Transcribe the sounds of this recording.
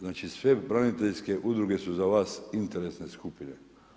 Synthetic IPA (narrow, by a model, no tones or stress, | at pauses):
znaːt͡ʃisʋebɾanit̪eʎske̞ʔud̪ɾuɡesuzaʋaːsint̪eɾesneskupine